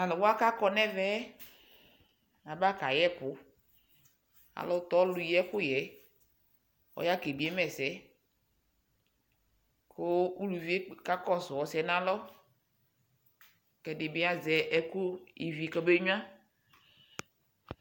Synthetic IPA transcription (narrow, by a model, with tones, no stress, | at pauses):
a˨lɔ˨wo˦a˦ka˦kɔ˦nɛ̃˦vɛ˦ | a˨ba˦ka˨jɛ˦pʊ˨˦ | a̰˨lɔ˦t̪ɔ˦lu˨jɛ˦ku˦jɛ˨ | ɔ̰˦ja˦ke˨bi˨˦ɛ˦mɛ˨sɛ˨˦ | ko˦u˦lu˨vi˦e˦ka˦kɔ˦sɔ˨wɔ˨sɛ˨nã˦lɔ˦ | kɛ˨de˨be˦a˦zɛ˨ʔɛ˦ku˦ḭ˨vi˨kɔ˦be˦ɲũ˦ã˦